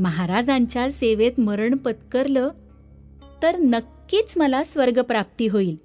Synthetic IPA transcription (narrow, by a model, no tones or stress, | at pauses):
məɦaɾad͡zãɲt͡ɕjaseʋet̪məɾəɳpət̪kəɾlə | t̪əɾnəkːiːt͡sməlasʋəɾɡəpɾap̚t̪iːɦoiːl